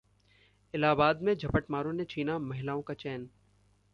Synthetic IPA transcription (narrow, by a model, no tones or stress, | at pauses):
ɪlaːbaːd̪mẽd͡ʒʱɐpəʈmaːɾõnet͡ʃʰiːnamɐɦɪlaːõkat͡ʃɛːn